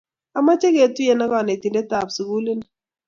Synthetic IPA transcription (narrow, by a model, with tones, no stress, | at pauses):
a˨ma˦t͡ʃe˦ke˨˦˨ti˦e˨na˦kɔ˨ne˨ti˨nde˦ta˨psu˨ku˦li˦n˦